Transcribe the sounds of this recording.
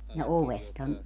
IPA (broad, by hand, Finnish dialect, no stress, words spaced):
jɑ oʋesthɑn